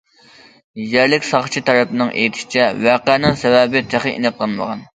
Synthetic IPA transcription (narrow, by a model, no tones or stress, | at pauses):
jæɾlɪkʲsɑχt͡ʃʰit̪ʰɑɾɛpnɨŋʔḛjt̪ʰɪ̥ʃi̥t͡ʃʰɛvæqænɪŋsɛvɛbɪt̪ʰæχəʔḭnɨqlˠɑnmə̰ʁɑ̰n